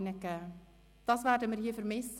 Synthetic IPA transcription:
nəkə | d̥ɑsʋaːrdəmərhiəfərmɪs

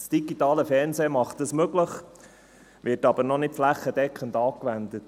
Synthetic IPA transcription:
sd̥iɡitɑːləfɛrnseːmɑχtəsmøɡləχ | ʋɪɾtɑbəɾnɔnɪtflæχːəd̥ɛkχəndɑːkʋænd̪ət

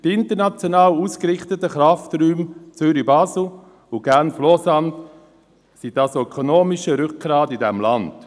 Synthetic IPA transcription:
tɪntəɾnɑt͡sjonɑːwuːskɾɪχtətəχɾɑftryːmt͡sʏɾibɑːsl̩ | ʊɡ̥ænflɔsɑnt | sidɑsœkʰonoːmɪʃəɾʏk̚ɡ̥ɾaːdidɛmlɑnd̥

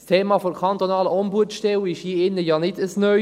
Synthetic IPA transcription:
stʰeːmɑfokʰɑnt̪onɑːləʔɔmbuətʃtɛwɪʃhiːɪnːəjɑːnɪdəsnœ

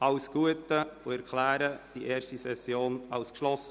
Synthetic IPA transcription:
ʔɑʊsɡ̥uətəʊɛɾkʰlæːɾəd̥iʔeːɾʃtisɛsjoːnɑʊskʃlɔsə

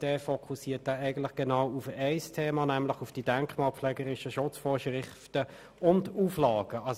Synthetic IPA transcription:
d̥ɛːfɔkʰusiːɐt̚dæːæɪɡən̩tlɪχɡ̥ɛnaʊufɛɪstʰeːmɑnɛmlɪχʊfd̥id̥ɛŋkmɑːlpflɛːɡəʁɪʃəʃʊt͡sfɔːʃʁɪ | tə | ʔʊnduːflɑːɡ̥əʔɑs

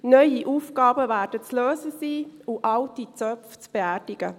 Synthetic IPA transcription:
nœjiʔuːfɡɑːbəvæːɾdət͡sløːzəsiːʊʔɑltit͡sœft͡sb̥eæːɾd̥ɪɡə

